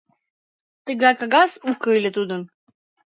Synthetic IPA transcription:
t̪əɡɑkɑɡɑsukɤlʲɘt̪ud̪ə̆n

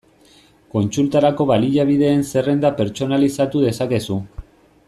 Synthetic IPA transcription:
ko̞nsult̪aɾako̞βaliʎaβ̞iðe̞ːnse̞re̞nd̪ape̞ɾt͡ʃo̞nalisat̪uðe̞sake̞su

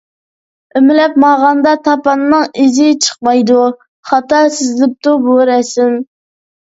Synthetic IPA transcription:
ømɪlɛpmɑʁɑnd̪ɑt̪ʰɑpɑnːɨŋizɪt͡ʃʰə̥qmɑjd̪u | χɑt̪ɑsɪzlɪp̚t̪ubuɾɛsɪm

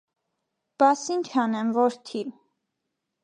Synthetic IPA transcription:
b̥ɑsint͡ʃʰɑnɛmvɔɾt̪ʰi

